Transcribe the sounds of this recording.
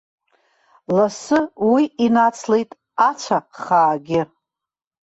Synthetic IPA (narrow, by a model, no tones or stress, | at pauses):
lasɨwiinat͡sʰle̞jtʼ | at͡ʃʷʰaχaːɡʲɪ